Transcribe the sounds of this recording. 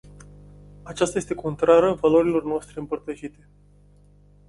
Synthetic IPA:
at͡ʃast̪aje̞st̪e̞kʰo̞nt̪ɾaɾəvalo̞ɾilo̞rnoast̪ɾeɨmpərt̪əʃit̪e̞

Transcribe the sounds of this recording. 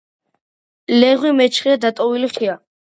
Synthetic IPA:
lɛʁwimɛt͡ʃʰχiad̪at̪ʼɔviliχia

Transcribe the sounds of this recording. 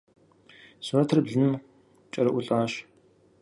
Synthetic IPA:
sunɐtʰɨrbɮɨnɨm | t͡ʃʼɐɾɐʔʷʊɬʼaːɕ

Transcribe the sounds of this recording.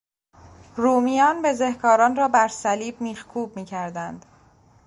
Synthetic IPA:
ruːmijɒːnbe̞ze̞hkʰɒːɾɒːnrɒːbæɾsæliːbmiːxkʰuːbmiːcʰæɾd̪ænd̪̥

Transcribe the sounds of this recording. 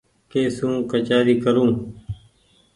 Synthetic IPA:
keːsũːkət͡ʃaːɾiːkəɾũː

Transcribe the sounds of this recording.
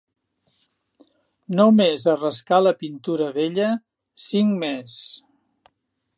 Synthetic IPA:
nomezərəskaləpint̪uɾəβeʎə | siŋmes

